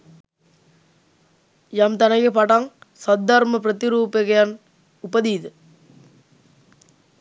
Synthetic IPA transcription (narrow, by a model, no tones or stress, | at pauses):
jaːmt̪ɐnɐjɯpaːʈːaːŋsɐd̪ːaːɾmɐpɪɾɐt̪ɪɾuːpɐɣɐjaːn | ʊpːɐðiːðɯ